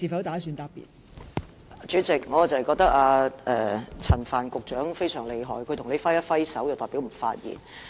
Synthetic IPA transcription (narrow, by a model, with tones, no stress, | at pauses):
iː˨˩fɐ˨˥wt̪aː˨˥syː˨˧nt̪aː˧pːḭ˨˩t̚ː | t͡ʃyː˨˥t͡sɪ˨k̚ŋɔː˨˧˨t͡sɐ˨hjkɔː˧k̚t̪ɐ˥k̚aː˧ɛ˨˧t͡sʰɐ˨˩nfaː˨˩nkʊ˨k̚t͡ʃœː˨˥ŋfe˥jsœː˨˩ŋle˨˧jɦɔ̰ː˨˩jkʰɵ˨˧t̪ʰŋne˨˧jfɐ˥jɐ˥tfɐ˥jsɐ˨˥wjwt̪ɔː˨jpi˨˥wm̩˨˩fa̰ː˧t̚jḭː˨˩n